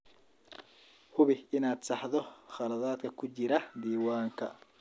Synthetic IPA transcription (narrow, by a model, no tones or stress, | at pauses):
hʊβɪɪnaːd̪̥sɑħðɔχɑlɐðaːd̪kʰɐkʰʊt͡ʃɪɾɐd̪iːwaːŋkʰɐ̰